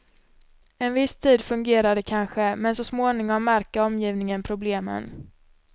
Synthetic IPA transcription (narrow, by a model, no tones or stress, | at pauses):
ɛnvɪst̪ʰiːd̪fɵŋɡeːɾad̪əkʰanɧəmɛnsɔsmoːnɪŋɔmːæɾkaɔmjiːvnɪŋənpʰɾʊbleːmə̰n